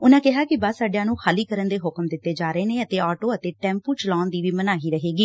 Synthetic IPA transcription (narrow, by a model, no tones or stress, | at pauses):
ʊnãːkɪɦaːkɪbəssːaːɖjãːnũːxʰaːliːkəɾənd̪eːɦʊkmd̪ɪt̪ːeːd͡ʒaːɾəeːnẽːət̪eːɔːʈoːət̪eːʈɛ̃ːmpuːt͡ʃəlaːnd̪iːʋiːmənaːɦiːɾəɦeːɡiː